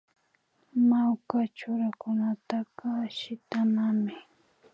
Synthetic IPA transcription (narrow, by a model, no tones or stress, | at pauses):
mawkat͡ʃʊɾakʊnat̪aqɑʃɪt̪amamɪ